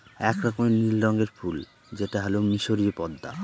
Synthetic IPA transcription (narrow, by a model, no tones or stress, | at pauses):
ɛkɾɔkomenilɖɔŋɡeɾfʰul | d͡ʑeʈaɦɛlomiʃoɾiepɔd̪ːa̰